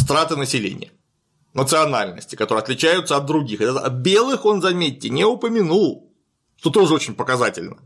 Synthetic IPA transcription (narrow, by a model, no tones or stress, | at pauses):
st̪ɾat̪ɨnəsʲɪlʲḛnʲɪ̰jə | nət̪sɨɐnalʲnə̰sʲtʲɪ̥kɐt̪o̞ɾɨɐt̪lʲɪt͡ɕæjʊt̪səɐt̪̚d̪ɾʊɡʲixɨt̪bʲelˠɨxo̞nzɐmʲetʲːɪnʲɪʊpəmʲɪnulˠ | ʂt̪o̞t̪o̞ʐɨot͡ɕɪnʲpəkɐzatʲɪlʲnə